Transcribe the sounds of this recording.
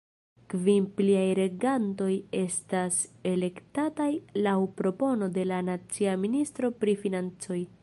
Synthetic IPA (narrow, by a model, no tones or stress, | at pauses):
kvimpliajɾe̞ɡanto̞je̞stase̞le̞ktatajlawpɾo̞po̞no̞de̞lanat͡siaministɾo̞pɾifinant͡so̞j